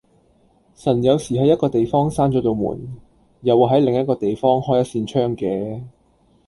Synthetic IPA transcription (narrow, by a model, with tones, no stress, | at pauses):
sɐ˨˩njɐ˨˧wsiː˨˩ɦɐ˨˥jɐ˥t̚kɔː˧t̪e˨jfɔː˥ŋsaː˥nt͡ʃɔː˨˥t̪o˧wmṵː˨˩n | jɐ˨wːɦɐ˨˥jlɪ˨ŋjɐ˥t̚kɔː˧t̪e˨jfɔː˥ŋhɔː˥jɐ˥t̚siː˧nt͡ʃʰœː˥ŋkɛː˨˥